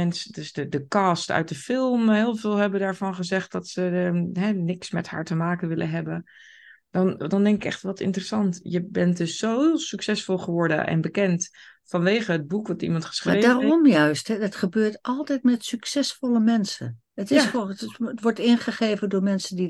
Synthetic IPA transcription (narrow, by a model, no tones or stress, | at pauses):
mɛnsədøsdədəkɑstœ̰ɥ̚dəfɪlˠmɦɪːlˠvɪːlˠɦɛbədaːɹvɑnχəzɛχt̚dɑtsəɦɛnɪksmɛtha̰ːɹtəmaːkənʋɪlʔə̰nɦɛbən | d̥ɑndɑndɛŋkɪkɛ̰χtʋɑtɪ̰ntərəsɑntjəbɛntdøsːosyksɛsfolˠχəʋɔɹdə̰ʔɛ̰nbəkɛntfɑnʋeːχəɦəd̚bukʋɑtḭmɑntχə̥sreːdarɔmjœɥsthɛdɑtχəbøːtʔɑlˠtɛjtmɛtsyksɛsfɔlˠəmɛnsə̰n | ətɪsoətʋɔɹtɪnχəχeːvəndʊːɹmɛnsəndi